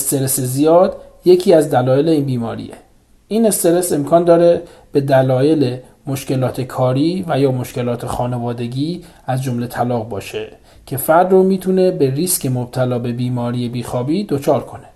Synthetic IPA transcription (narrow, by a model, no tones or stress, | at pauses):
st̪eɾesezijɒːd̪ | je̞cʰiːæzd̪ælɒːje̞le̞iːnbiːmɒːɾḭːḛ | ʔiːne̞st̪e̞ɾe̞se̞mkʰɒːnd̪ɒːɾe | b̥e̞d̪ælɒːje̞le | mo̞ʃce̞lɒːt̪ʰe̞kʰɒːɾiːvæjɒːmo̞ʃce̞lɒːt̪ʰexɒːne̞vɒːd̪e̞ɡʲiː | æzd͡ʒo̞mle̞t̪ʰælɒːɣbɒːʃe | cʰe̞fæɾd̪romiːt̪ʰunebe̞riscʰe̞mob̚t̪ʰælɒːbe̞biːmɒːɾiːebiːxɒːbiːd̪o̞t͡ʃʰɒːɾkʰo̞ne